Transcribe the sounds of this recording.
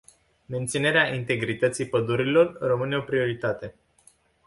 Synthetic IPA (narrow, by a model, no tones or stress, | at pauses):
me̞nt̪sine̞ɾeaʔint̪e̞ɡɾit̪ət̪sipəd̪uɾilo̞rːəmɨne̞o̞pɾio̞ɾit̪at̪e̞